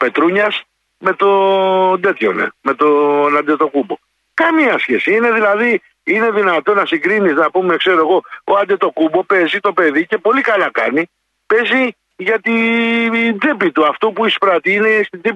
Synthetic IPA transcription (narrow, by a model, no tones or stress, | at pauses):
pe̞t̪ɾuɲɐs | me̞t̪o̞d̪e̞t̪ço̰nḛme̞t̪onɐd̪et̪o̞kubo̞ | kɐmiɐsçe̞siine̞ðilɐði | ine̞ðinɐt̪o̞nɐsiɡɾiniznɐpume̞kse̞ɾoeɣo̞oɐnd̪et̪o̞kubo̞pe̞zit̪o̞pe̞ðice̞po̞likɐlɐkɐni | pe̞zi | ʝɐt̪i | nd͡zipit̪uɐft̪opuispɾɐt̪iine̞st̪id͡zip